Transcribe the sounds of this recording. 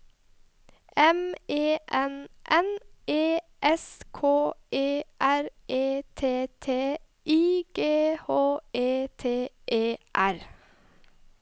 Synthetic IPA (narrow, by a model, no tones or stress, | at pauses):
ʔɛmeːʔɛnʔɛnʔeːʔɛskʰoːʔeːʔæɾʔeːt̪ʰeːt̪ʰeː | ʔiːɡ̥eːhoːʔeːt̪ʰeːʔeːʔæɾ